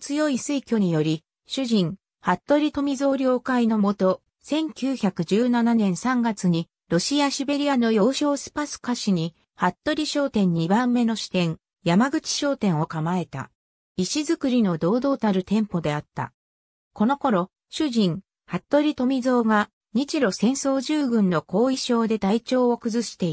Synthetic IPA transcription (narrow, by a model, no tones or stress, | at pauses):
t͡sɨjo̞isɨikʲo̞ɲ̟ijo̞ɾʲi | ɕɨʑĩŋ | hat̪ːo̞ɾʲit̪o̞mʲizo̞ːɾʲo̞ːkaino̞mo̞t̪o̞ | sẽ̞ŋkʲɨːçakɯ̟ʑɨːnananẽ̞ɰ̃sãŋɡat͡sɨɲ̟i | ɾo̞ɕiaɕibe̞ɾʲiano̞jo̞ːɕo̞ːsɨ̥pasɨ̥kaɕiɲ̟i | hat̪ːo̞ɾʲiɕo̞ːt̪ẽ̞ɲ̟ːibãmːe̞no̞ɕi̥t̪ẽ̞ŋ | jamaɡɯ̟t͡ɕi̥ɕo̞ːt̪ẽ̞ɰ̃o̞kamae̞t̪a̰ | iɕizɨkɯ̟ɾʲino̞d̪o̞ːd̪o̞ːt̪aɾɯ̟t̪ẽ̞mpo̞d̪e̞at̪ːa̰ | ko̞no̞ko̞ɾo̞ | ɕɨʑĩŋ | hat̪ːo̞ɾʲit̪o̞mʲizo̞ːɡa | ɲ̟it͡ɕiɾo̞sẽ̞ɰ̃so̞ːʑɨːɡɯ̟̃nːo̞ko̞ːiɕo̞ːd̪e̞t̪ait͡ɕo̞ːokɯ̟zɨɕi̥t̪e̞i